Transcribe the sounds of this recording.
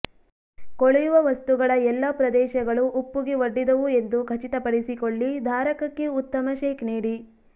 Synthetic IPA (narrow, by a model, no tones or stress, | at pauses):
koɭijuʋɐʋɐst̪uɡɐɭɐɛlːɐpɾɐd̪ɛːʃɐɡɐɭuʔːpːuɡeʋoɖːid̪ɐʋue̞nd̪ukʰɐt͡ʃit̪ɐpɐɽisikoɭːid̪ʱaːɾɐkɐkːeut̪ːɐmɐʃeːkniːɽi